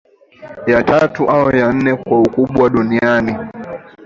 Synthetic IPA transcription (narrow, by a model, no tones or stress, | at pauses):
jatatuʔaɔjan̩nɛkwaukuɓwaɗuniani